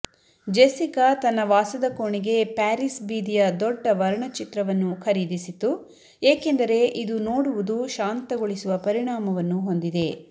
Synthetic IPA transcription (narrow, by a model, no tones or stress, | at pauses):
d͡ʒesikat̪ɐnːɐʋaːsɐd̪ɐkoɳiɡe̞paːɾisbiːd̪ijɐd̪ɔɖːɐʋɐɾɐɳɐt͡ʃit̪ɾɐʋɐnːukʰɐɾiːd̪isit̪ːu | eːke̞nd̪ɐɾe̞ʔid̪unoːɽuʋud̪uʃaːnt̪ɐɡoɭisuʋɐpɐɾiɳaːmɐʋɐnːuɦo̞nd̪id̪e̞